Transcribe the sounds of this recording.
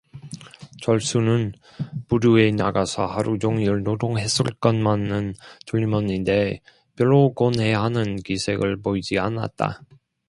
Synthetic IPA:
t͡ɕʌɭs͈unɯn | puɾue̞naɡasʰʌ̰haɾud͡ʑoŋiɯɭnodoŋɦe̞s͈ɯɭk͈ʌnmanːɯntoʎimʌninde̞ | pjʌɾokonɦe̞ɦanɯnkisʰe̞̰ɡɯɭpoid͡ʑiana̰t̚t͈a̰

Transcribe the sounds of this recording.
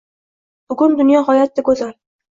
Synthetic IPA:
b̥ʊɡʊnd̪ʊnjɒɦɒjat̪̚ːaɡɵzal

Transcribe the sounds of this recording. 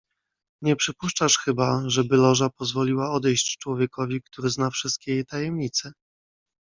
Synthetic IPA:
ɲɛpʂɘpuʂt͡ʂaʂxɘbaʐɛbɘlɔʐapɔzvɔlʲiwaɔd̪ɛjɕt͡ɕt͡ʂwɔvʲjɛkɔvʲik̚t̪uɾɘznafʂɘst̪kʲejejt̪ajɛmɲit̪sɛ

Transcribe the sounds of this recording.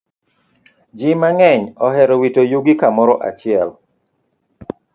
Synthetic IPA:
d͡ʒimaŋɛɲɔhɛɾɔwitojuɡikamɔɾɔʔa̰t͡ʃɪɛl

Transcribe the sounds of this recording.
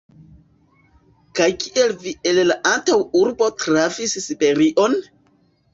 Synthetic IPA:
kajkiʔe̞lvie̞llaʔantawuɾbo̞tɾavissibe̞ɾiʔo̞n

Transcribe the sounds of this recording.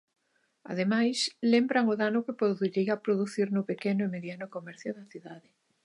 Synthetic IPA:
a̰ð̞emajslembɾaŋʊðanʊkɪpɾoðuɾiapɾoðuθiɾnʊpekenʊemeðjanʊkomɛɾθjʊðɐθiðaðɪ

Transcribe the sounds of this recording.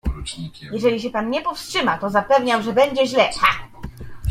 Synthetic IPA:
jɛʐɛlʲiɕ̬ɛpanɲɛpɔfstʂɘmat̪ɔzapɛvɲawʐɛbɛɲd͡ʑɛʑlɛa

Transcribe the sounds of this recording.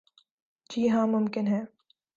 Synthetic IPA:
d͡ʒiːɦãːmʊmkɪnɦɛː

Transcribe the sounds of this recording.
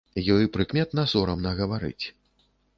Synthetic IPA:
jɔjpɾɨkmʲɛt̪nɐsɔɾɐmnɐɣɐvaɾɨ̰t͡sʲ

